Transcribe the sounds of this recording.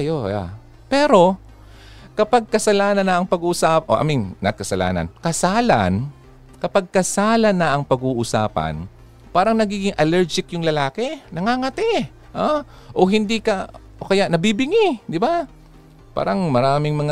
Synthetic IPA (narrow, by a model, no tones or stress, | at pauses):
joa | pɛːɾo̞ | kɐpaɡ̚kɐsɐlaːnɐnːɐʔɐŋpɐɡuːʔsaːpʔo̰ʔɐ̰miŋnɐkɐsɐla̰ːnɐ̰nkɐsaːla̰n | kɐpaɡ̚kɐsaːlɐnːɐʔɐŋpɐɡuːʔʊsaːpɐ̰n | paːɾɐŋnɐɡiːɡɪŋʔɐlɛɹd͡ʒɪkjʊŋlɐlaːkɛnɐŋaːŋɐt̪ɛ | ʔa | ʔoɦɪnd̪ikɐʔokɐjaʔnɐbibɪŋɪd̪ɪba | pa̰ːɾɐŋmɐɾaːmɪŋmɐŋa